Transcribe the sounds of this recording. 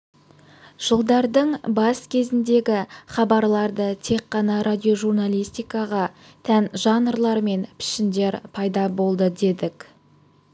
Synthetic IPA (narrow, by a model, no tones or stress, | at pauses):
ʒ̥əlˠd̪ɑɾd̪əɴbɑskʲʰe̞zɪnd̪e̞ɡʲɪχɑbɑɾlˠɑɾd̪ət̪ʰe̞kːɑnɑɾʔad̪ʲio̞ʒurnalʲˠijst̪ijkɑʁɑ | t̪ʰænʒɑnəɾlˠɑɾme̞npʰɪ̥ʃɪnd̪e̞ɾpʰɑjd̪ɑbo̞lˠd̪əd̪e̞d̪ɪkʲ